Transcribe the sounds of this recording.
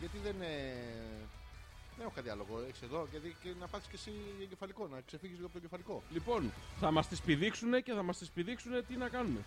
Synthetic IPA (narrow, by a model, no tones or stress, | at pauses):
ʝɐt̪iðene | ðenexokɐðiɐlo̞ɣo̞eçiseðo̞ʝeticenɐpɐθiscesieɟe̞fɐliko̞nɐkse̞fiɣʝizliɣoɐpot̪oɟefɐliko̞lipo̞nθɐmɐst̪ispiðiksune̞ce̞θɐmɐst̪ispiðiksune̞t̪inɐkɐnume̞